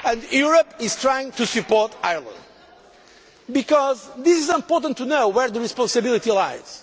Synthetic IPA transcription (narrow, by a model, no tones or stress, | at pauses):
ɨ̃ndjuɹəpiz̥t̪ɹajĩŋ̚t̪usɨpɔɹt̪a̰jɹlˠə̰̃nd̪ | bikɔzðisizɪ̃mpɔɹt̪ə̃nt̪ʰːunoʊwɛɹðəɹispɑ̃nsɨbilˠit̪ilajz̥